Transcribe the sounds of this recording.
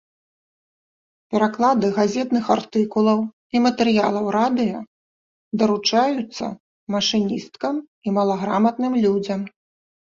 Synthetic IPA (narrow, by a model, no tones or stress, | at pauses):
pʲɛɾaklˠad̪ɨɣazʲɛt̪nɨxart̪ɨkulˠɐw | imɐt̪ɛɾɨjalˠɐwɾad̪ɨjɐ | d̪ɐɾut͡ʂajut̪sːɐ̰ | mɐʂɨnʲist̪̚kɐm | imɐlˠɐɣɾamɐt̪nɨmlʲud͡zʲɐm